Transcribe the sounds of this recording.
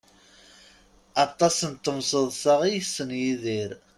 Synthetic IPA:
ɑt̪ˤːɑsənt̪ːəmsəðˤsɑʁijsənjiðiɾ

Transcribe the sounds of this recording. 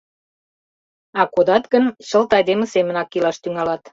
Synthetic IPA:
ɑkod̪ɑt̪ɣənt͡ɕəlt̪ɑjd̪emə̆semə̆nɑkːilɑʃt̪yŋɑlɑt̪

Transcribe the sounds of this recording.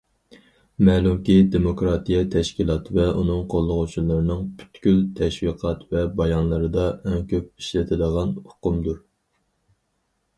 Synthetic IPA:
mɛːlumkʲid̪emokɾɑt̪ijɛt̪ʰɛʃkʲilˠɑt̪ʰɨvɛʔunɨŋqʰolˠːʊʁut͡ʃʰulˠɨɾɨnɨŋbʰy̥t̪kʲylt̪ʰɛʃwiqʰɑt̪vɛbɑjɑnlˠɨɾɨd̪ɑɛŋkʲʰøp̚i̥ʃlɪt̪ʰɪd̪əʁɑnʊ̥qʊmd̪uɾ

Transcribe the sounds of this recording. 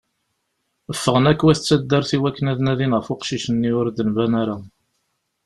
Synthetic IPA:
əfːəʁənækːwæθət͡sːæd̪ːəɾθiwækːənæðnæðinʁəfʊqʃiʃənːiʊɾd̪ənvænaɾa

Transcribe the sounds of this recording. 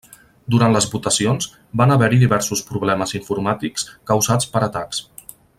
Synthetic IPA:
d̪uɾant̪ləzβut̪əsionz | banəβɛɾiðiβɛɾsuspɾuβ̞lɛməziɱfuɾmat̪ikskəwzat͡spəɾət̪aks

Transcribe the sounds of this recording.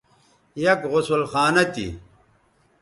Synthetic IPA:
jɐkʁʊsulxaːnɐt̪ḭ

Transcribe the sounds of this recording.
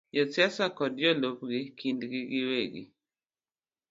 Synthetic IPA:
jɔt͡sjasakɔdjɔlopɡɪkʰindɡɪɡɪweɡɪ̰

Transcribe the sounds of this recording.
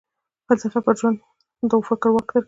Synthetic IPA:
falsafapəʒwand̪ | d̪əwfɪkɾwakd̪əɾ

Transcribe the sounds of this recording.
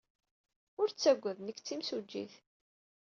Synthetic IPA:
ʊɾt͡sːæɡʷːæðnəkːt͡sːimsud͡ʒːḭθ

